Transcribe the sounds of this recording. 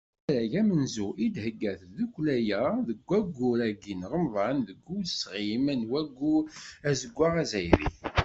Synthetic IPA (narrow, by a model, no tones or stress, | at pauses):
ɾæʝæmənzuʔid̪həɡːæθðukʷlæjæðəɡʷːæɡːuɾæɡinʁəmðˤɑnðəɡːuwəsʁimənwæɡːuæzəɡʷːaʁæzæjɾḭθ